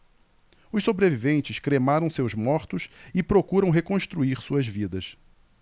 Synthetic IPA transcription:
ʊʃsobɾevivẽnt͡ʃɪskɾemaɾɐ̃w̃sewzmɔɾt̪ʊsɪpɾokuɾɐ̃w̃ɦekõst̪ɾuiɾsuɐzvid̪ɐs

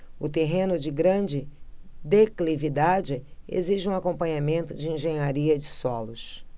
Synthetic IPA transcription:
ʊt̪eɦẽnʊd͡ʒɪɡɾɐ̃d͡ʒɪd̪eklivid̪ad͡ʒɪḛziʒɪũakõmpɐ̃ɲamẽnt̪ʊd͡ʒɪĩʒẽɲaɾiɐd͡ʒɪsɔlʊs

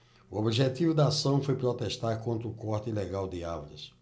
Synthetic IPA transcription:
ʊobiʒet̪ivʊd̪ɐasɐ̃w̃fojpɾɔt̪ɛʃt̪aɾkõnt̪ɾʊkɔɾt̪ʊilɛɡawd̪ɪavɾɐs

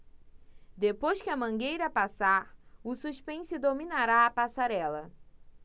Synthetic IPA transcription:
d̪epojskɪɐmɐ̃ŋɡejɾɐpasaɾʊsuʃpẽsʊd̪ominaɾaɐpasaɾɛlɐ

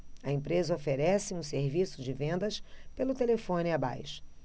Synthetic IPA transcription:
ɐẽmpɾezɐofeɾɛsɪũseɾvisʊd͡ʒɪvẽnd̪ɐspelʊt̪elefõnɪɐba̰jʃʊ̥

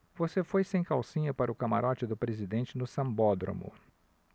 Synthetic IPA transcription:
vosefojsẽj̃kawsĩɲɐpaɾʊkama̰ɾʔɔt͡ʃɪd̪ʊpɾezid̪ẽt͡ʃɪnʊsɐ̃mbɔd̪ɾõ̰mʊ̰

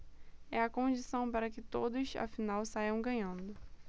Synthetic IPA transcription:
ɛɐkõd͡ʒisɐ̃w̃paɾɐkɪt̪od̪ʊsa̰finawsajɐ̃w̃ɡɐ̃ɲɐ̃nd̪ʊ

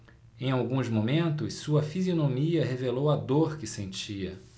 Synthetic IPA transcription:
ẽj̃awɡũzmomẽnt̪ʊssuɐfizionomiɐɦevelowɐd̪oɾkɪsẽnt͡ʃiɐ

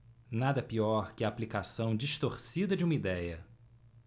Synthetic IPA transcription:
nad̪ɐpiɔɾkɪaːplikasɐ̃w̃d͡ʒiʃt̪oɾsid̪ɐd͡ʒɪũmɐid̪ɛjɐ

